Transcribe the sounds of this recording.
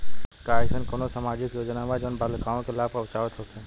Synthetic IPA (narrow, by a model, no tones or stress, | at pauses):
kaːeʃənkonosamaːd͡ʒɪkjoːd͡ʒnamad͡ʒənbalkaːõkelaːpəʊt͡ʃaːʋɪt̪ɦot̪eɦɛ̃